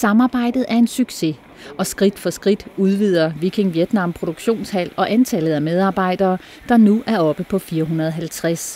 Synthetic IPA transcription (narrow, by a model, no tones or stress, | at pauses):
sɑ̈mɑ̈ːb̥ɑ̈ɪ̰d̥ð̞̩ˠæɐe̝nsyɡ̥se̝ | ʔɒ̽sɡ̥ʁid̥fɒ̽sɡ̥ʁid̥uð̞ˠʋið̞̰ˠɐʋiɡ̥ʰeŋʋjed̥nɑ̈mpʰʁo̝d̥o̝ɡ̥ɕo̝̰ːnshæl̰ɒ̽ʔænt͡sʰɛləð̩ˠæmeð̞ˠɑ̈ːb̥ɑ̈ɪ̰d̥ɐː | d̥ɑ̈nuʔæɐɒ̽b̥əpʰɒ̽fiːɐɦunɐð̞ˠɦælt͡sʰʁas